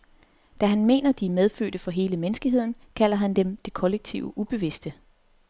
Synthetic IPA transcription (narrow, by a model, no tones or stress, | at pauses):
d̥æɦænme̝̰ːnɐd̥iæmeðˠfø̰ːd̥əfɒ̽ɦe̝ːləmenəsɡ̥iɦe̝ð̞̰ˠn̩kʰæl̰ɐɦænd̥emd̥e̝kʰɒ̽leɡ̥̚t͡sʰḭʊəʔub̥e̝ʋe̝sd̥ə